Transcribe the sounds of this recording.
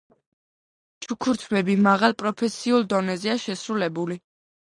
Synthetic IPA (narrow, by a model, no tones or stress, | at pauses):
t͡ʃʰukʰuɾt̪ʰmɛbimaʁalˠpʼɾɔpʰɛsiulˠd̪ɔnɛzɛaʃɛsɾulɛbuli